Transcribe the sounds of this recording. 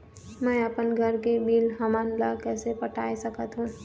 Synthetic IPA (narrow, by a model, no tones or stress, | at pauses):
mɛ̃ːəpənɡʱəɾkebiːlɦɐmaːnlakɛːsepəʈʰaːesəkət̪ɦũ